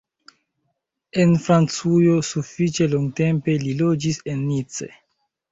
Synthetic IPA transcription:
e̞nfɾant͡sujo̞sufit͡ʃe̞loŋɡte̞mpe̞lilo̞d͡ʒise̞nːit͡sḛ

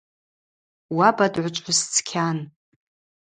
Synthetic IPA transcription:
wabadʕʷat͡ʃʷʼħʊst͡sʰkʲʰan

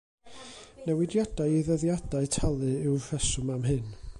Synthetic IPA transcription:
nɛwɪdjad̥ajɪðəðjadaɨtʰalˠɨɪwvɛsʊmamɦɨn

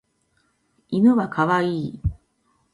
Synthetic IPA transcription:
imɯ̟βakʰaβaiː

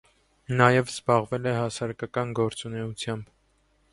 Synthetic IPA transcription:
nɑjɛvz̥bɑʁvɛlɛhɑsɑɾɑkɑkɑnɡɔɾt͡sunɛut͡sʰjɑmb

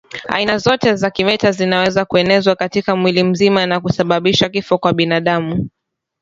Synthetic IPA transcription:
a̰inazɔtɛzakimɛtazinawɛzakuɛnɛzwakatikamwilim̩zimanakusaɓaɓiʃakifɔkwaɓinaːɗamu

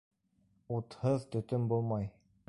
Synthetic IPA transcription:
ut̪hɤðt̪ɵ̆t̪ɵmbulˠmɑj

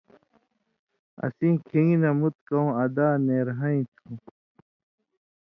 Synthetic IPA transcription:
ɐ̰sĩːkʰĩŋɡinɐmut̪̚kɐũɐd̪aːneːɾɦɐĩt̪ʰũ

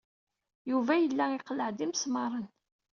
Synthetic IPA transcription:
juvæjəlːæɪqləʕd̪imsmɑɾˤən

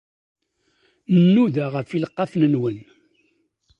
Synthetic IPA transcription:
nənːuðaʁəfiləqːɑfnənwən

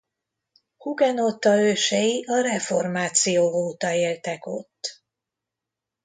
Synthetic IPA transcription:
huɡɛno̞t̪ːɒøːʃɛjiʔɒɾɛfo̞rmaːt̪sijoːoːt̪ɒeːlt̪ɛko̞t̪ː

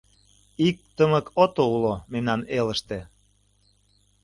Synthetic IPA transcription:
ik̚t̪əməkʰot̪oulomemnɑneləʃt̪ĕ

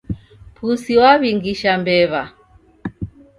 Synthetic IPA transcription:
pʰusiwaβiŋɡiʃambɛβa

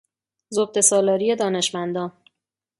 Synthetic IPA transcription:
zob̪̚e̞sɒːlɒːɾije̞d̪ɒːne̞ʃmænd̪ɒːn

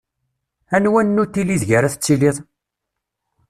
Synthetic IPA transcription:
ænwænnːut̪ːiliðʝəɾæθət͡sːiliðˤ

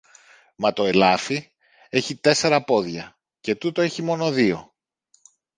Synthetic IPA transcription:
mɐt̪o̞e̞lɐfi | e̞çit̪e̞se̞ɾɐpo̞ðʝɐ | ce̞t̪ut̪o̞e̞çimo̞no̞ðio̞

